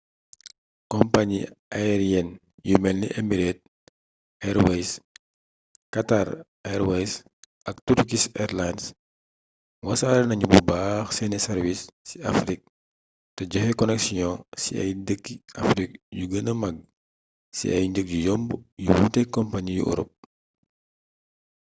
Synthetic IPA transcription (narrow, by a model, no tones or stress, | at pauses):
kɔmpaɲiʔaɾjɛn | jumɛlniʔɛmiɾɛt̚ | ɛɾwɛjs | kataɾ | ɛɾwɛjs | ɐk̚tuɾkisɛɾlans | wɐsaɾɛnɐɲububaxsɛnɛsɛɾvisːiafɾik̚ | tɛɟɔhɛkɔnɛksijɔ̃sḭɐ̰jdəkːiafɾik̚juɡənəmɐɡ̚ | sḭʔɐ̰jɲɟək̚ɟujɔmbjuwutɛkɔmpaɲijṵʔɔ̰ɾɔ̰p̚